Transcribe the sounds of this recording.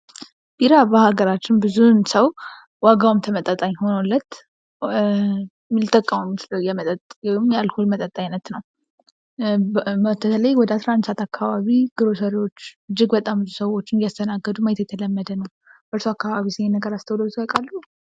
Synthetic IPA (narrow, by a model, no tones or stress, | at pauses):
biɾaβəhaɡəɾat͡ʃːɪnbɨzunsəw | waɡawmt̪ʰəmət̪ʼət̪ʼaɲho̞nolːət̪ | lt̪ʼəkʼːamumt͡ʃləwjɛmət̪ʼət̪ʼjɛwmjalhulmət̪ʼət̪ʼːajnət̪nəw | ət̪ʰət̪ʰələjwɔd̪əasɾaand̪sat̪akʰːaβaβiɡ̥ɨɾo̞səɾio̞t͡ʃːɨd͡ʒːɪɡbət̪ʼambɨzusəwo̞t͡ʃːɪnjast̪ʰənaɡːəd̪umajɛt̪jɛt̪ʰələmːəd̪ənəw | bəɨɾsuakːaβaβisɪhenːəɡəɾast̪ʰəwlot̪kəkʼalːu